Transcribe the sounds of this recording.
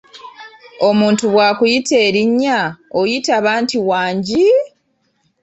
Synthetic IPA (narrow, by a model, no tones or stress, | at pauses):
o̞muːntuβwaːkujite̞ːɾiɲːaojitaβaːntiwaːɲɟi